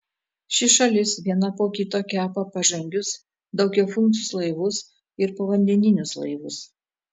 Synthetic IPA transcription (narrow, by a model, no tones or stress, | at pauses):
ʃʲɪʃɐlʲɪsʋʲiɛnɐpoːkʲit̪oːkʲæːpɐpɐʒɐŋʲɡʲʊs | d̪ɒʊkʲɛʊfʊnˑsʲʊslˠɐɪʋʊs | ɪɾpɐʋɐnʲd̪ʲɛnʲɪnʲʊslˠɐ̰ɪʋʊs